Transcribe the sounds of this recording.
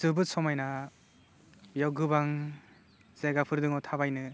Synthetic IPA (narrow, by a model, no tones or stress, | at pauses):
zɯbɯsɔmajna | jawɡɯbaŋ | z̥eɡapʰɯɾdɯŋawtʰabajnɯ